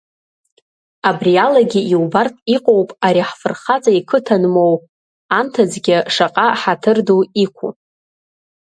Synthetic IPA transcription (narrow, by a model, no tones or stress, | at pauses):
abrialaɡʲiiwbartʼiqʼowpʼaɾiħfɨrχat͡sʼaikʰɨtʰanmo̞w | antʰad͡zɡʲɪʂaqʼaħatʰɨrduikʷʰṵ